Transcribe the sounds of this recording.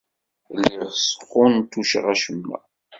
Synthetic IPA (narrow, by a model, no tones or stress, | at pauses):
lːɪʁsə̥qːʊnt̪uʃʁæʃəmːæ̰